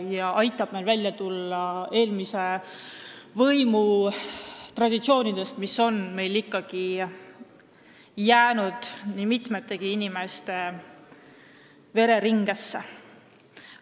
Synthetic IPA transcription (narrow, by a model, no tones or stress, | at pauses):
jɑʔɑjt̪ːˑɑb̥me̞lvælʲjɑt̪ulːɑe̞ːlmise̞ | vɤjmu | t̪rɑd̪̥it̪sio̞ːnid̪̥e̞st̪misːo̞nme̞jlikːɑɡ̥i | jæːnud̪̥nimit̪ˑmet̪ːˑe̞ɡ̥iinime̞st̪e̞ | ve̞ɾe̞ɾiŋɡ̥e̞sːe